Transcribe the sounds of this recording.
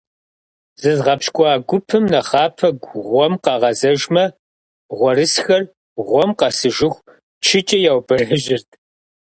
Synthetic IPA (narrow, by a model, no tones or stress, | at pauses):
z̥ɨzʁɐpʃkʷʼɑːɡʷʊpʰɨmnɐχɑːpʰɐɡʷʁʷɔmqɑːʁɐzɐʒmɐ | ʁʷɔɾɨsxɐr | ʁʷɔmqɑsɨʒɪxʷ | t͡ʃʰɪt͡ʃʼɐjaːwbɐrɐʒɪrtʰ